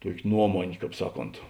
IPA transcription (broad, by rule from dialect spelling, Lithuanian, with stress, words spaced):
ˈtuɔkʲeː ˈnuɔmoːnʲeː ˈkɑːp ˈsɑːˌkoːnt